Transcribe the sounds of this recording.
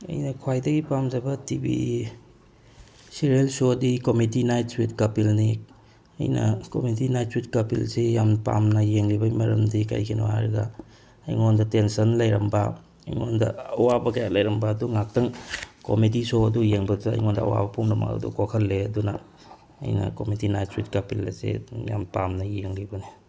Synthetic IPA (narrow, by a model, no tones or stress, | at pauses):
ɐ̰jnɐkʰwajdɐɡipamzajbɐtibḭ | siɾelsodikomitinajtswitkapilni | ɐ̰jnɐ̰komitinajt̚switkɐpḭlsejampa̰mnɐjeŋlibɐjmɐɾɐmdika̰jkʰino̰haɾɐɡɐː | jŋondɐtensɐnlɐjɾɐmba | ɐ̰jŋondɐ̰ɐwabɐkɐjalɐjɾɐmbaːduŋak̚tɐŋkomit̬isoɐdujeŋbɐzɐ̰jŋondɐ̰ːwa̰bɐpʰumnɐmɐ̰kɐ̰dṵkokʰɐlːeɐduna̰ː | jnɐ̰komitinajtswitkapilːa̰sḛja̰mpamnɐjeŋlibɐni